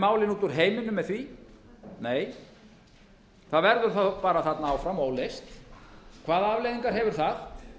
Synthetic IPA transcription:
maːwlɪnuːt̪ʏɾ̥ɦeːjmɪnʏmːɛðθvi | neːj | θaðvɛɾðʏɾ̥θapaːɾaθat̪naaːwfɾamoːwlest̪kʰvaːðaavlejðiŋkaɾ̥ɦɛvʏɾ̥θað̥

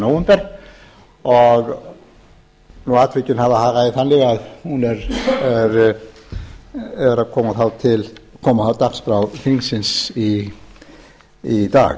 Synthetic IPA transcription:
nowɛmpɛɾɣ | ɔɣ | nuaːt̪ʰvɪcʏnhavahaːɣaðiθanlɪɣaðhunɛɾɛɾ | ɛɾakʰɔːmaθawt̪ʰɪlkʰɔːmaawt̪akspɾawfiŋsɪnsi | id̪a̰ːɣ

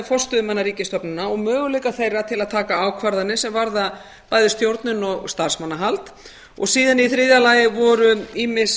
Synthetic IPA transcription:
fɔ̥st̪ʏðʏmanːaɾiːcɪst̪ɔpnʏnːaɔɣmœːɣʏlejkaθejrːat̪ʰɪlaðt̪ʰaːkaaːwkʰvaɾðanɪsɛmvaɾða | paːjðʏst̪jowɾt̪nʏnɔɣst̪ar̥smanːaɦalt̪ | ɔ̰ɣsiːðaniθɾɪðalajɪvɔɾʏiːmɪs

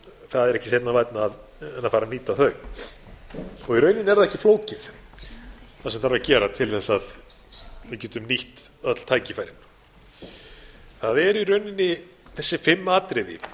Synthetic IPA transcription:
θaðɛɾɛhcɪsejt̪navajt̪naːð | ɛnːafaːɾaniːt̪aθœɥ | ɔɣiɾœːɥnɪnɛɾðaðɛhcɪfloːwcɪf | θasɛmθaɾvacɛːɾat̪ʰɪlθɛsːað | vɪcɛːt̪ʏmniht̪œt̪l̥t̪ʰaːjcɪfajɾɪn | θaðɛɾiɾœɥnɪnːɪ | θɛsːɪfɪmːaːt̪ɾɪðɪ̰

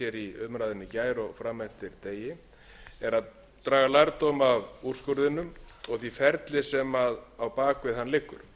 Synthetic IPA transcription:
ɛɾiʏmɾajðɪnːɪcaːjɾɔɣfɾaːmːɛn̥t̪ɪɾt̪eːjɪ | ɛɾað | t̪ɾaːɣalaɾt̪omavur̥skʏɾðɪnːʏmɔɣθifɛɾt̪lɪsɛmaðawpaːkvɪðhanːlɪkːʏ̰ɾ̥

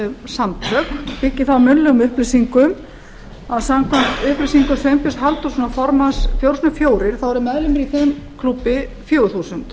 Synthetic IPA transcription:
samt̪ʰœkpɪcːɪθawmʏnlɛɣʊmʏhplɪsiŋkʏm | aðsamkʰvant̪ʏhplesiŋkʏsejmpɪsɦalt̪usuːnafɔɾmasfjowrsnʏfjoːwɾɪɾ̥θawɛɾʏmɛðlɪmɛɾiθem | kʰlupːɪ | fjoːwʏθuːsʏnt̪

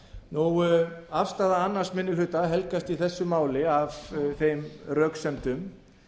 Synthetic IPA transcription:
nuafst̪aːðaanːar̥smɪnːɪlhʏt̪aɦɛlkast̪iθɛsːʏmaːwlɪavθejmrœːksɛnt̪ʏm

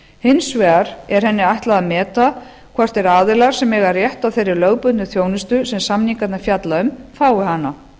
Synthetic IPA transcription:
hɪnːsvɛːɾ̥ɛɾ̥hɛnːɪajht̪laðamɛːt̪a | kʰvɛr̥t̪ɛɾaːðɪlaɾ̥sɛmɛɣarjɛht̪awθejɾːɪɾlœɣpʏt̪nʏθjoːwnɪst̪ʏsɛmsamniŋkat̪nafjat̪laʏmfaːwɪɦanːa

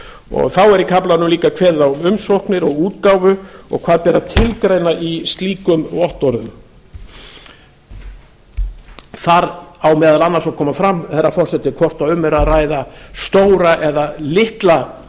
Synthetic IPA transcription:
ɔ̰ɣθawɛɾikʰaplaðnuliːkakʰvɛðaʏmsowhknɪɾɔɣuːt̪kaːwvʏɔ̰ɣkʰaːðpɛːɾat̪ʰɪlkɾejnaʔist̪liːkʏmɔht̪ɔɾðʏm | θaɾawmɛːðalanːaɾ̥sakʰɔːmafɾamːθɛrːafɔr̥sɛt̪ɪkʰɔr̥t̪aðʏmːɛɾaðraːjðast̪oːwɾaʔɛðalɪht̪la

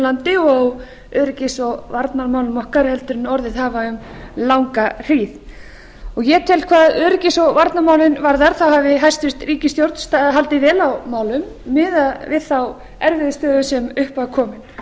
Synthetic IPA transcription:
lant̪ɪɔɣ | œðɾɪcɪsɔɣvaɾt̪naɾmaːwlʏmɔhkaɾhɛlt̪ʏɾɪnɔɾðɪðhaːvaʏm | lawŋkar̥iːð | ɔɣjɛːt̪ʰɛlkʰvaːðœːɾɪcɪsɔɣvaɾt̪namaːwlɪnvaɾðaɾ̥θawhavɪɦajst̪ʏst̪riːcɪst̪jowɾt̪n̥st̪aɦalt̪ɪvɛːlawmaːwlʏmːɪðaðvɪðθaw | ɛɾvɪðst̪œːðʏsɛmʏhpaðkʰɔːmɪn

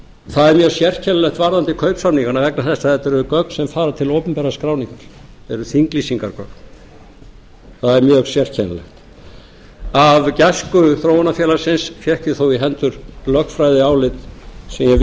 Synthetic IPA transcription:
θaðɛɾmjœːsjɛr̥cʰɛnalɛxt̪vaɾðant̪ɪkʰœɥpsamniŋkaɾnavɛknaθɛst̪aθɛt̪ɛɾɛðʏkœk̚n̥sɛmfaːɾat̪ʰɪloːwpʏmpɛɾaskɾaːwniŋkaɾ̥ | ɛɾʏθiŋklisiŋkaɾkœkn | θaðɛɾmjœːɣsjɛr̥cʰɛna̰lɛ̰xt̪ | avcɛskʏθɾoːwanafjɛːlaɾ̥sɪnsfjɛhkɪθowiɦɛnt̪ʏɾ̥lœxfɾajðɪaːwlɪt̪sɛmjɛ

